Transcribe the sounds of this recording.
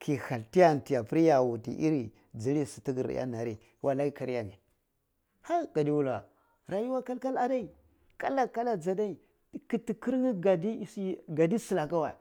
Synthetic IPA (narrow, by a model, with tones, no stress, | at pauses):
kʰi˨ha˨lti˦ja˦˨ti˨ja˨pi˦ɾi˦ja˨wu˨tḭ˨ʔi˦ɾi˨ | d͡zi˨˦ɾi˦si˨ti˦ɡi˨ɾ̰ja̰˦na˨ɾi˦ | wa˦la˦i˦ka˦ɾi˦ja˦˨ni˨ | ha˦ɡ̥a˨di˦wu˦la̰˨ | ɾa˨ju˦wa˦ka˦lka˦la˨da˦i˨ | ka˦la˨ka˦la˨d͡za˨da˦i˨˦ | ki˨ti˨ki˦ɾni˦ɡa˨di˦˨sɡa˨di˦si˨la˨ka˦wa̰˨